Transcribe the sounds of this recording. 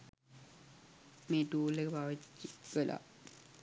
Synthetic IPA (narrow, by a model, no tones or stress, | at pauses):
meːʈuːlːekəpaːʋit͡ɕːikːəla̰